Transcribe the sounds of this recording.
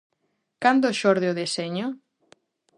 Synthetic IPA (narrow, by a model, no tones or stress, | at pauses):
kand̪oʃɔɾðeoðeseɲo